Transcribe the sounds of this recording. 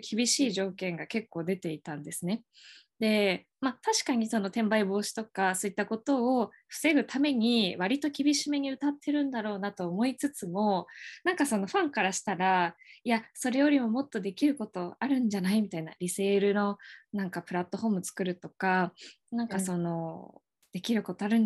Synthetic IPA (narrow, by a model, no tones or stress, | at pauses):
kʲibʲiɕiːʑo̞ːkẽ̞ŋɡake̞kːo̞ːd̪e̞t̪e̞it̪ãnd̪e̞sɨne̞ | d̪e̞ | mat̪aɕi̥kaɲ̟iso̞no̞t̪ẽ̞mbaibo̞ːɕi̥t̪o̞kasoit̪ːako̞t̪o̞ː | ɸɯ̟̥se̞ɡɯ̟t̪ʰame̞ɲ̟iβaɾʲit̪o̞kʲibʲiɕimeɲ̟iɯ̟t̪at̪ʰːe̞ɾɯ̟̃nd̪aɾo̞ːnat̪o̞ːmo̞it͡sɨt͡sɨmo̞nãŋkaso̞no̞ɸãŋkaɾaɕi̥t̪aɾaiaso̞ɾe̞jo̞ɾʲimo̞mo̞t̪ːo̞d̪e̞kʲiɾɯ̟ko̞t̪o̞aɾɯ̟̃ɲ̟d͡ʑanaimʲit̪aina̰ɾʲise̞ːɾɯ̟no̞nãŋkapɯ̟ɾat̪ːo̞ho̞ːmɯt͡sɨ̥kɯ̟ɾɯ̟t̪o̞ka | nãŋkaso̞no̞ | d̪̥e̞kʲiɾɯ̟ko̞t̪oaɾɯ̟̃n